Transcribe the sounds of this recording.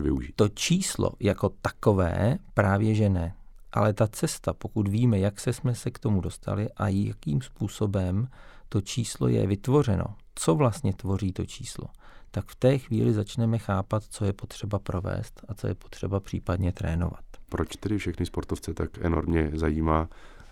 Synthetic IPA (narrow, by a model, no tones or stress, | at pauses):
vɪ̰uʒit̪o̞t͡ʃiːslo̰jako̞t̪ḁko̞vɛ̰ːpɾaːvjɛʒɛnɛʔa̰lɛt̪at͡sɛst̪apo̞kut̪viːmɛjaksɛsmɛsɛkt̪o̞mudo̞st̪ʰa̰lɪʔaja̰kiːmspuːso̞bɛmt̪o̞t͡ʃiːslo̰jɛ̰vɪt̪vo̞r̝ɛno̞̰t͡so̞vlast̪ɲɛt̪vo̞riːt̪o̞t͡ʃʰiːslo̞̰t̪akft̪ɛːxvḭːlɪzat͡ʃnɛmɛxaːpat̪t͡so̞jɛpo̞t̪r̝̥ɛbapɾo̞vɛ̰ːst̪at͡so̞jɛpot̪r̝̥ɛbapr̝̥iːpadɲɛt̪ɾɛːno̞̰va̰t̪pɾot͡ʃt̪ɛdɪfʃɛxnɪspoɾt̪oft͡sɛt̪akʔɛno̰ɾmɲɛzajiːmaː